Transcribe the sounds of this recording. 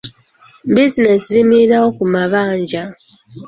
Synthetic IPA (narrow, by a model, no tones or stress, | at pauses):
bizineszimiɾawo̞kumaβaːɲɟa